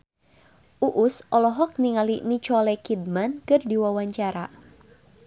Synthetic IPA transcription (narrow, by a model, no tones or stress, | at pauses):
ʔuʔʊsɔlɔɦɔk̚niŋalinit͡ʃɔlɛkid̚mankɨrdiwawaɲt͡ʃaɾa